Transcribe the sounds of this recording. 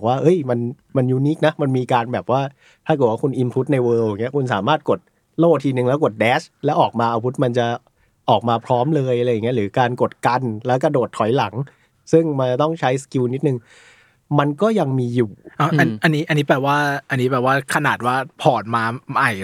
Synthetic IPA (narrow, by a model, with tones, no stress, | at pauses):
k̚waː˥˩ʔɤ˦˥˩jma˧nma˧njuː˨˦˩niː˦˥k̚na˦˥ma˧nmiː˧kaː˧nbɛː˨˩p̚waː˥˩ | t̪ʰaː˥˩k̚ːwa˥˩kʰu˧nʔi˧npʰu˦˥t̪̚na˧jwɤː˧wa˨˩ŋːi˦˥ɐkʰu˧nsaː˩˦maː˥˩t̪̚ko˨˩t̪̚ | loː˥˩t̪ʰiː˧nɯ˨˩ŋlɛ˦˥wko˨˩t̪̚dɛː˦˥t͡ɕʰlɛː˦˥wʔɔː˨˩k̚maː˧ʔaː˧pʰu˦˥t̪̚ma˧nt͡ɕa˨˩ | ʔɔː˨˩k̚maː˧pʰɾɔː˦˥mlɤː˧jʔa˧a˧jːŋːi˦˥ɾɯː˩˦kaː˧nko˨˩t̪̚ka˧nlɛː˦˥wka˧doː˨˩t̪ʰːɔ˨˩˦jla˩˦ŋ | sɯ˥˩ŋma˧t͡ɕa˨˩t̪ɔ˥˩ŋt͡ɕʰa˦˥jski˧wni˦˥t̪̚nɯ˨˧ŋ | ma˧nkɔː˥˩ja˧ŋmiː˧juː˨˩ʔa˧˩a˧nʔa˧nːiː˦˥ʔa˧nːiː˦˥pɛː˨˩waː˥˩ʔa˧nːiː˦˥bɛː˨˩waː˥˩kʰa˧naː˨˩t̪̚waː˥˩pʰɔː˨˩t̪̚maː˧ma˨˩j